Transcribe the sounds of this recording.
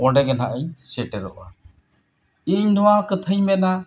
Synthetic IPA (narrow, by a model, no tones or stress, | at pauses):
ɔɖɛɡɛnaʔəɲsɛʈɛɾɔʔa | iɲdɔwakət̪ʰəjmɛna